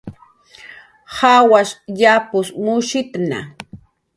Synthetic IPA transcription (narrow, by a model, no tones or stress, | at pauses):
hawaʃʎapʊsmʊʃɪt̪na̰